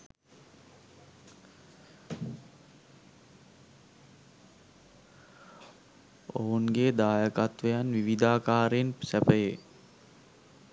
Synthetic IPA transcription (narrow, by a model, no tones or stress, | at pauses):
o̰ɦunɡeːd̪aːjəkat̪ʋəjanʋiʋid̪aːkaːɾensɛpəje